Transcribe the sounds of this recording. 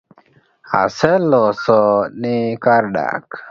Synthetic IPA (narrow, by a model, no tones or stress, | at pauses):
a̰sɛlɔsɔnikaɾɗa̰k